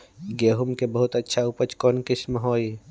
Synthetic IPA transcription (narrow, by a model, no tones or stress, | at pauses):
ɡeːɦʊmkebɐɦʊt̪ɐtːʃʰaupət͡ʃkɔːnkɪʃmɦoːi